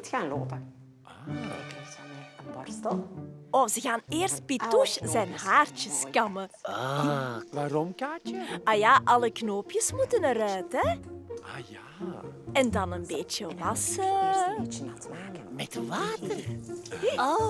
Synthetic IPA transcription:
txaːnlo̰ːtə | pɔt | ɔfzəɣaːnɪːrst̚pituʃzɛnɦaːrtəskɑmə | ʋaːɾɔmkaːt͡ʃəajaːʔɑləknoːpjəsmutənəɾœːtɛ | ja | ɛndɑnənbeːt͡ʃəʋɑsə | taːkəmɛtʋaːtər | o

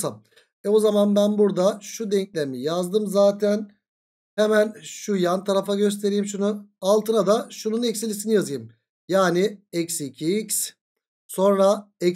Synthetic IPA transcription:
sam | ɛozamanbænbuɾd̪aʃud̪ɛɲclʲeɾmijazd̪ɯmzaːt̪ʰæn | hemænʃujant̪ʰaɾafaɟø̞s̬t̪ʰe̞ɾijimʃunualˠt̪ʰɯnad̪aʃununɛcsilʲisinijazɯjɯm | jaːnɪɛcsicʰiics | so̞nɾaɛ

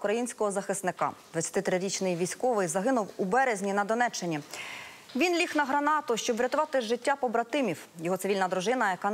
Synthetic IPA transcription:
kɾɐjinʲsʲkɔɦɔzɐxɪst̪nɪkɑ̰d̪ʋɐtt͡sʲjɐ̥t̪ɪt̪ɾɪɾʲit͡ʃnɪjʋʲisʲkɔʋɪjzɐɦɪnʊwubɛɾezʲnʲinɐd̪ɔnɛt͡ʃːɪnʲi | ʋʲinlʲixnɐɦɾɐnɑt̪ʊʃt͡ʃɔbʋɾʲɐt̪ʊʋɑt̪ɪʒɪtʲːapɔbɾɐt̪ɪmʲiwjɔɦɔsɪʋilʲnɐd̪ɾʊʒɪnɐjɐkɑ

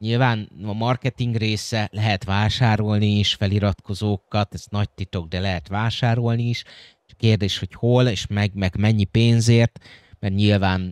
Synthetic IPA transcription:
ɲilvaːnɒmɒrkɛt̪iŋɡreːsɛlɛɦɛt̪ʋaːʃaːɾo̞lniːʃfɛliɾɒt̪ko̞zoːkːɒt̪ɛznɒc̚t̪it̪o̞ɡ̚d̪ɛlɛɦɛt̪ʋaːʃaːɾo̞lniːʃ | t͡ʃkeːrd̪eːʃho̞cho̞leːʃmɛɡmɛɡmɛɲːipeːnzeːrt̪mɛrɲilvaːn

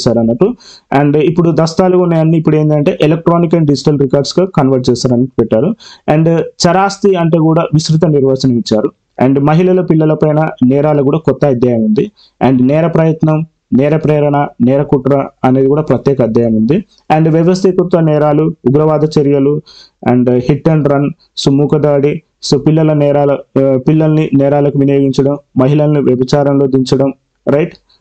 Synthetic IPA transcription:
saːɾɐnːɐpːu | eːɳɖipːuɽud̪ɐst̪aːluunːeɐnːiːipːuɽe̞ːnd̪ɐɳʈeːʔelek̚ʈɾoːnikɐnɖid͡ʒiʈɐlɾikaːɾɖskɐkɐnʋɐɾʈ̚t͡ʃɛːsaːɾɐnːipɛʈːaːɾuɐːɳɖt͡ʃɐɾaːst̪iɐɳʈeːkuːɽaːʋisɾut̪̬ɐniɾʋaːsɐnɐmit͡ʃːaːɾu | ɐ̰ɳɖmɐɦilɐlɐpilːɐlɐpɐjnɐnɛːɾaːlɐk̬uːɽaːkɔt̪ːɐɐd̪jɐjɐmund̪i | aɳɖnɛːɾɐpɾɐjɐt̪nɐm | nɛːɾɐpɾɛːɾɐɳɐnɛːɾɐkuʈɾɐɐne̞ːd̪ikuːɽaːpɾɐt̪jɛːkɐːd̪jɐjɐmund̪i | ɐɳɖʋjɛʋɐst̪ʰikut̪ʋɐnɛːɾaːluːɡɾɐʋaːd̪ʱɐt͡ʃeɾjɐlu | ɐ̰ɳɖhiʈːɐɳɖɾɐn | sumuːkɐd̪aːɽi | soːpilːɐlɐnɛːɾaːlɐpilːɐlɐninɛːɾaːlɐkuʋinijoːɡiɲt͡ʃɐɽɐmːɐɦilɐlɐniʋjɐbɐt͡ʃaːɾɐmlo̞ːd̪iɲt͡ʃɐɽɐm | ɾɐjʈ

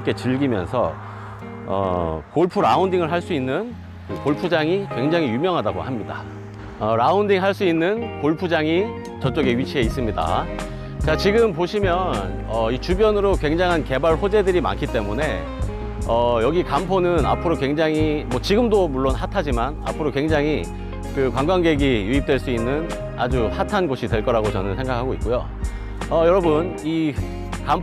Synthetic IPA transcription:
k͈e̞t͡ɕɯɭɡimjʌ̰nsʰʌ̰ | ʌ̰koɭpʰuɾa̰undiŋɯɭɦaɭs͈uinːɯn | koɭpʰud͡ʑaŋikwe̞ŋd͡ʑaŋɦijumjʌŋɦadaɡo̰hamɲida̰ | ʌɾaundiŋɦaɭs͈uinːɯnkoɭpʰud͡ʑaŋi | t͡ɕʌt͡ɕ͈ʌɡe̞ɥit͡ɕʰie̞is͈ɯmɲida̰ | t͡ɕat͡ɕiɡɯmp̬oɕʰimjʌn | ʌit͡ɕubjʌnɯɾokwe̞ŋd͡ʑaŋɦanke̞baɭɸod͡ʑe̞dɯɾima̰nkʰit͈e̞mune̞ | ʌjʌɡikampʰonɯna̰pʰɯɾokwe̞ŋd͡ʑaŋimʌt͡ɕiɡɯmdomuɭːonhatʰad͡ʑimana̰pʰɯɾokwe̞ŋd͡ʑaŋɦi | kɯkwaŋɡwaŋɡe̞ɡijuip̚t͈we̞ɭs͈uinːɯn | a̰d͡ʑuhatʰanɡoɕʰidwe̞ɭk͈ʌɾaɡot͡ɕʌnɯnsʰe̞ŋɡakʰaɡoit̚k͈ojo̰ | ʌjʌɾʌbɯni | kamp

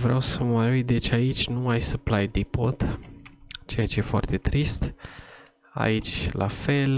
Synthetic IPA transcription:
vɾeawsəməɾujd̪et͡ʃʲait͡ʃʲnumajsəplajd̪ipot̪ | t͡ʃejat͡ʃejefoa̰rt̪e̞t̪ɾist̪ | a̰it͡ʃʲlʔa̰fe̞l

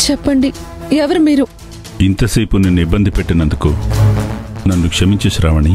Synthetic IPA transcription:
t͡ɕepːɐɳɖi | ɐʋɐrmiɾu | int̪ɐsɐjpːunɨnibɐnd̪ʱipːeʈːɐnɐnd̪ukːo | nɐnːukʂɐmit͡ɕːuɕɾaːʋɐɳi

